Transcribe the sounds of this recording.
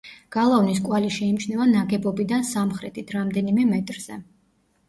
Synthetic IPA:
ɡ̥alˠavniskʼwaliʃɛimt͡ʃʰnɛvanaɡɛbɔbid̪ansamχɾɛt̪ʰit̪ʰɾamd̪ɛnimɛmɛt̪ʼɾz̥ɛ

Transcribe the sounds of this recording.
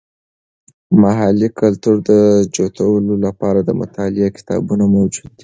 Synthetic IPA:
maɦalikalt̪uɾd̪əd͡ʒot̪awəlolapɑɾad̪əmʊ̰t̪ɑlɪakɪ̥t̪ɑ̰bunamawd͡ʒud̪̚ːi

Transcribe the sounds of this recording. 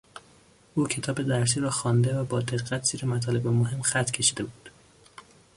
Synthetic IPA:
ʔuːcʰe̞t̪ʰɒːbe̞d̪æɾs̬iːɾɒːxɒːnd̪e̞væbɒːd̪e̞ɣːæt̪ʰz̥iːɾemæt̪ʰɒːle̞bemoɦe̞mxæt̪ʰcʰe̞ʃid̪e̞buːd̪̥

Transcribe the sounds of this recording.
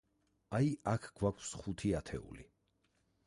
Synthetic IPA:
ajakʰɡ̥wakʰsχut̪ʰiat̪ʰɛ̰ṵlḭ

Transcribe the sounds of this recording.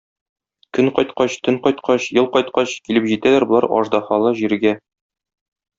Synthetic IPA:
kɵɴqɒjt̪qɑɕt̪ɵŋqɒjt̪qɑɕjɤlˠqɒjt̪qɑɕkilɘpʑit̪ælæɾbŏlˠɑ̰ɾɒ̰ʒd̪ɑχɑlˠɤʑiɾɡæ

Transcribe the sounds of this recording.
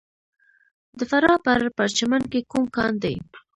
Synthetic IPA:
d̪əfaɾɑpəɾpəɾt͡ʃamankekumkɑ̰nd̪ḛj

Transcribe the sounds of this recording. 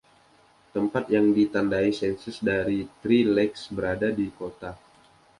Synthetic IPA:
t̪əmpat̪jaŋdit̪andaisɛnsɪsdaɾit̪ɾilɛksbəɾadadikot̪a

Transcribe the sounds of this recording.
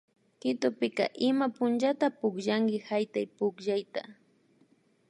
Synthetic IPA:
kɪt̪ʊpɪka̰ʔɪmapʊnt͡ʃat̪apʊkʒaŋɡɪhajt̪ajpʊkʒajt̪a

